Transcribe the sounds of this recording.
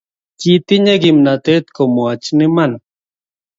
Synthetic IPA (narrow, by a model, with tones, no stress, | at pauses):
t͡ʃit̪i˦ɲe˦ɡimna˨t̪e˦t̪ko˨mo˨a˨t͡ʃni˦man